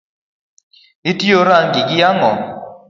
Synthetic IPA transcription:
itioɾaŋɡɪkɪjaŋɔ̰

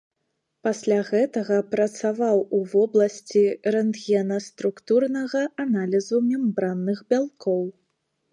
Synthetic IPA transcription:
pasʲlʲaɣɛt̪ɐɣɐpɾɐt̪savawuvɔblˠɐsʲt͡sʲiɾɛnd̪ɣʲiɛnɐst̪ɾukt̪urnɐɣɐanalʲizumʲɛmbɾanːɨɣbʲalˠkɔw

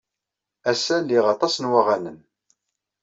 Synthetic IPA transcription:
æsælːiʁɑt̪ˤɑsnwaʁanən

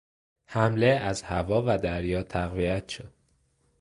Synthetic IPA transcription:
hæmleæzhævɒːvæd̪æɾjɒːt̪ʰæɣviæt̪ʃod̪̚

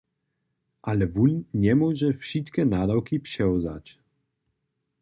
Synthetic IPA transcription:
ʔalɛvunɲɛmwɔʒɛfʃit̪kɛnaːd̪awkipʂɛɔza̰c

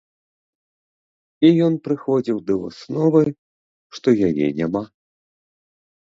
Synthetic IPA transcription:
ijɔnpɾɨxɔd͡zʲiwd̪ɐvṵsnɔvɨ | ʂt̪ɔjajɛ̰nʲama

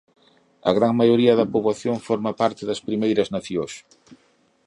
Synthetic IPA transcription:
ɐ̰ɣɾaŋmajoɾiɐðɐpoβlaθjoŋfɔɾmɐpaɾt̪ɪðɐspɾimejɾɐznɐθjos

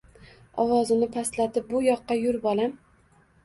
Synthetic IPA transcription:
ɒwɒzɪnɪpʰaslat̪ʰɪp̚bʊjɒqːɑjʊɾbɒlam

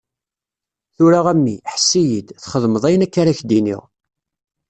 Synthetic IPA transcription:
θʊɾaʁæmːḭħəsːijid̪θχəðməðˤæjənækːaɾaçd̪inḭʁ

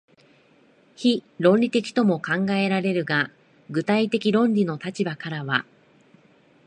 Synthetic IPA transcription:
çiɾõ̞nʲɾʲit̪e̞kʲi̥t̪o̞mo̞kãŋɡae̞ɾaɾe̞ɾɯ̟ɡa | ɡɯ̟t̪ait̪e̞kʲiɾõ̞nɾʲino̞t̪at͡ɕibakaɾaβa

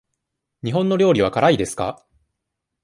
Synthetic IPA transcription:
ɲ̟iɦõ̞nːo̞ɾʲo̞ːɾʲiβ̞akaɾaid̪e̞sɨ̥ka̰

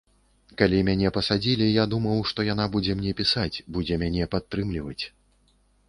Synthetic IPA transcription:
kalʲimʲanʲɛpɐsad͡zʲilʲijad̪umɐwʂt̪ɔjan̪abud͡zʲɛmnʲɛpʲisat͡sʲbud͡zʲɛmʲanʲɛpat̪ːɾɨmlʲivɐt͡sʲ

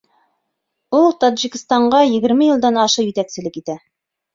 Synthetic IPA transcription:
ulˠt̪ɑd̪ʒikɘ̆st̪ɑɴɢɑjɘ̆ɡɘ̆ɾmɘjɤ̆lˠd̪ɑnɑʃɤjɵ̆t̪æksɘ̆lɘkit̪æ

